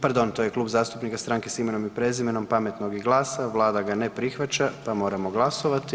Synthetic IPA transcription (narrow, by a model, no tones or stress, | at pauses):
paɾd̪o̞nt̪ojekluːbzaːst̪upnikast̪ɾaŋkesime̞no̞mipɾezime̞no̞mpame̞t̪no̞ɡiɡlˠaːsaʋlˠaːd̪aɡanepɾixʋat͡ʃapamo̞ːɾamo̞ɡlˠaso̞ʋat̪i